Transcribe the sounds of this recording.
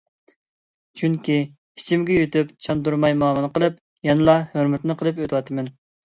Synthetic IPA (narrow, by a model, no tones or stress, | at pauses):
t͡ʃʰyŋkʲi | i̥t͡ʃʰimɡʲɛjyt̪ypt͡ʃʰɑnd̪uɾmɑjmɑːmɨnɨqəlˠɨp̚ | jɑnɨlˠɑhøɾmɪt̪nɨqʰəlˠɨpøt̪ʰɨwɑt̪ʰɨmɛn